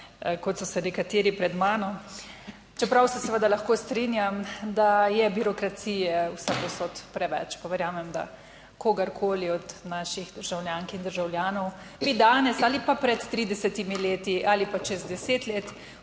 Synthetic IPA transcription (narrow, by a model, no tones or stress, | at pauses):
kɔt̪sɔsɛnɛkat̪eːɾipɾɛd̪maːnɔ | t͡ʃɛpɾawsɛsɛʋəd̪alaxkoːst̪ɾinjamd̪ajɛbiɾɔkɾat̪sijɛwsakɔsot̪pɾɛʋɛ̰t͡ʃpaʋɛɾjaːmɛmd̪a̰ | koːɡɐɾkʰoːliɔd̪naːʃiɣd̪əɾʒawljaːŋkind̪əɾʒawljaːnɔw | bid̪aːnɛsaːlipapɾɛt̪ːɾiːd̪ɛsɛt̪imileːt̪iʔaːlipat͡ʃɛzd̪ɛseːt̪leːt̪